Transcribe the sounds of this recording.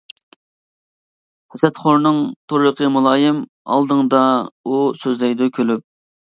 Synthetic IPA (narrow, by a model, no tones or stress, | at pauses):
hɛsɛt̪χoɾnɨŋt̪ʰoɾləqʰəmulˠɑːjɨm | ɑ̰lˠd̪əŋd̪ɑusøzlɛɡd̪ukʲʰølyp̚